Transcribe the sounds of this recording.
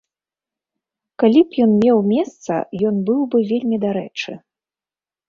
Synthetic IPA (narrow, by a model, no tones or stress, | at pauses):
kalʲipjɔnmʲɛwmʲɛst̪sɐ̰jɔnbɨwbɨvʲelʲmʲid̪aɾɛt͡ʂɨ̰